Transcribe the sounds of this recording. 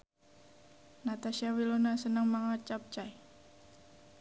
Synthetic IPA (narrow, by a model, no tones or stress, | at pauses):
nat̪aʃiawilonasənəŋmaŋat͡ʃap̚t͡ʃaj